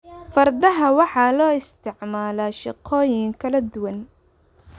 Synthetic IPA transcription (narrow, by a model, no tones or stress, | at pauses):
fɐrd̪ɐɦɐwɑħɑːlɔːɪst̪ʰɪʕmaːlaːʃɪqʰɔːjɪŋkʰɐlɐd̪ʊwɐn